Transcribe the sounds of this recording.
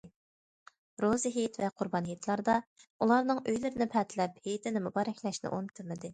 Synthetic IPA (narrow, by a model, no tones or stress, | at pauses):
ɾozɨɦejt̪vɛqʰʊɾbɑnijit̪ʰlˠɑɾd̪ɑulˠɑɾnɨŋøjlɪɾɪnɪpʰɛt̪ʰlɛphejt̪ʰɪnɪmubɑɾɛkʲlɛʃnɪ̰ʔonɨt̪ʰɨɾmɪd̪ɪ